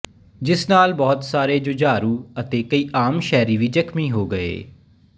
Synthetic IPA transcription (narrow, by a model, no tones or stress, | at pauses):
d͡ʒɪsnaːlbɔːt̪saːɾeːd͡ʒʊd͡ʒaːɾuːət̪eːkəiːʔaːmʃɛːɾiːʋiːd͡ʒəkmiːɦoːɡəḛː